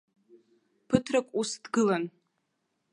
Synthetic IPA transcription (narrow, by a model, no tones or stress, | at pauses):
pʰɨtʰrakʷʼusd̥ɡɨlan